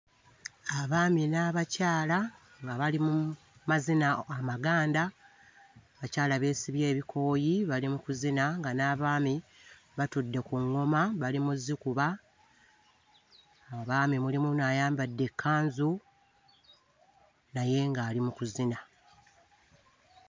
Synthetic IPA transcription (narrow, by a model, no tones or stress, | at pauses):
aβaːminaβacaːla | ŋɡaβalimu | mazinaːmaɡaːnda | βacaːlaβe̞ːsiβje̞ːβikʰo̞ːjiβalimukuzinaŋɡanaβaːmi | βatudːe̞kuŋːo̞maβalimuzːikuβa | aβaːmimulimunaːjaːmbadːe̞kʰːaːnzu | naje̞ŋɡaːlimukuzina